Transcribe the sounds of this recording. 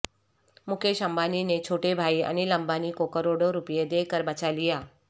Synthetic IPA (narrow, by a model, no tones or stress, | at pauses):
mukʰeʃəmbaninet͡ɕʰoʈebʱaiə̰niləmbanikokəɾoɽoɾupjed̪ekəɾbat͡ɕalija